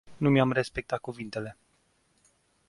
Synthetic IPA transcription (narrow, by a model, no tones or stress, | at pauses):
numʲamre̞spe̞k̚t̪at̪̚kuvint̪e̞le̞